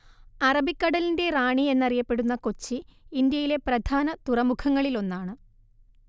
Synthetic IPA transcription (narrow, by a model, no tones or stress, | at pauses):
ɐrɐbikːɐɽɐlinde̞raːɳie̞nːɐrijɐpːe̞ɽunːɐko̞t͡ɕːiind̪jɐjile̞prɐd̪ʱaːnɐt̪urɐmukʰɐŋːɐɭilo̞nːaːɳɨ